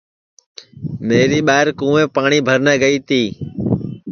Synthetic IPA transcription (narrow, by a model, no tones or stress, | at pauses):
meːɾiːɓaːɦɪɾkũːʋẽːpaːɳiːbʱəɾnɛːɡəiːt̪iː